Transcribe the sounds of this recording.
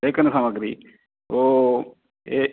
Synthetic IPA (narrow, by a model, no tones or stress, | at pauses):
ekənsɐməɡɾi | oː | e